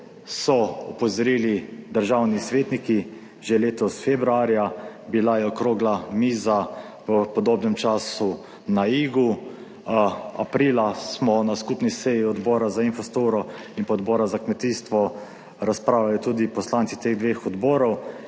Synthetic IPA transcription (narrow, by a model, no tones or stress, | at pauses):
sɔɔpɔzɔɾiːlid̪əɾʒawnisʋeːt̪niki | ʒeleːt̪ɔsfebɾuaɾjabilajɛɔkɾoːɡlamiːza | ʋəpɔd̪oːbnɛmt͡ʃaːsu | naiːɡu | a̰pɾiːlasmɔnaskupnisɛjiɔd̪bɔːɾazainfɔst̪oːɾɔinpɔɔd̪bɔːɾazakmɛt̪iːst̪ʋɔ | ɾaspɾaːwlajɔt̪uːd̪ipɔslant̪sit̪eːɣd̪ʋeːxɔd̪bɔːɾɔw